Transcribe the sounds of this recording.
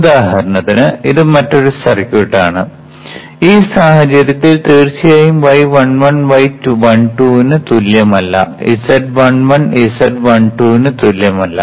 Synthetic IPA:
ud̪aːɦɐɾɐɳɐðinɨiðɨmɐtːo̞ɾusɐrikʲːuʈːaːɳɨ | iːsaːhɐt͡ɕɐɾjɐt̪ːilt̪eːrt͡ɕijaːjumʋɐjʋɐɳʋɐɳʋɐjtːuʋɐɳʈuːnɨt̪uljɐmɐlːɐ̰ḭsɐd̚ʋɐɳʋɐnisɐdʋɐɳʈuːnɨt̪uljɐmɐlːɐ̰

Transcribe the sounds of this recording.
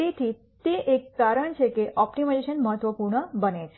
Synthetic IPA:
it̪ʰi | t̪eʔekːaɾəɳt͡ʃʰekeʔɔpʈimad͡ʒeʃənməɦət̪ʋəpuɾɳəbənet͡ʃʰe

